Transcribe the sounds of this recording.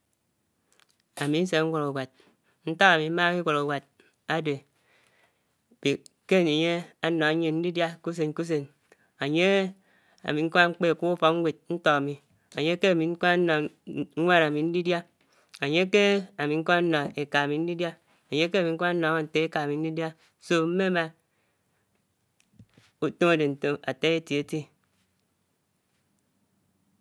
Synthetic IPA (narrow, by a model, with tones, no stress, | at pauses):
a˨mi˨n̩˦s̬e˨˦ŋ̩˦ɡʷo˨ɾa˨wa˨t̚ | n̩˦tɔ˦ka˨mi˨˦ma˦mi˦ɡʷo˨ɾa˨wa˨d̚ | a˦de˨ | be˨ke˦˨ne˨ɲe˦a˦nɔ˨a˦ɲe˦n̩˦di˦dja˦ku˦s̬e˨nku˦s̬e˨n | a˨ɲe˦ | a̰˨mi˨ŋ̩˦ka˦ŋ͡m̩˦k͡pe˦˨kʷu˦u˦fɔ˨k̚ŋ̩˦wʷe˨t̚n̩˦tɔ˦˨a˨mi˨ | a˨ɲe˦ke˦a˨mi˨ŋ̩˦ka˦a˦nɔ˨ŋ̩˦ŋʷa˦ɾa˨mi˨n̩˦di˦dja˦ | a˨ɲe˦ke˦a˨mi˨ŋ̩˦kʷa˦n̩˦nɔ˨e˨ka˨a˨mi˨n̩˦di˦dja˦ | a˨ɲe˦ke˦˨mi˨ŋ̩˦ka˦n̩˦nɔ˨˦a˦˨n̩˨te˦e˦ka˨mi˨n̩˦di˦dja˦ | so˦m̩˦me˦ma˦ | u˨to˦ŋa˨de˨n̩˨to˦a̰˨te˦e˦tje˨e˨˦ti˦